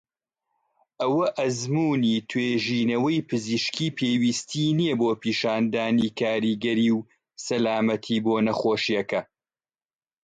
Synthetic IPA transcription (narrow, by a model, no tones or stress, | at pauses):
ʔɐwɐʔɐzmuːniːt̪ʰweːʒiːnɐwɐjpɨziːʃkiːpʰeːwiːst̪ʰiːnijɐboːpʰiːʃaːnd̪aːniːkʰaːɾiːɡɐɾiːw | sɐlaːmɐt̪ʰiːboːnɐχoːʃijɐkɐ